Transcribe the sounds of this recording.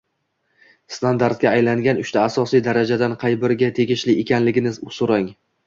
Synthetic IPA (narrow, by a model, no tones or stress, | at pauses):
st̪and̪aɾt̪̚ɡʲaːjlaŋɡʲanʊʃt̪ʰaːsɒsijd̪aɾad͡ʒad̪anqʰɑjbɪɾɡʲat̪ʰe̞ɡʲɪʃlɪʔekʲanlɪɡʲɪnɪsoɾaŋ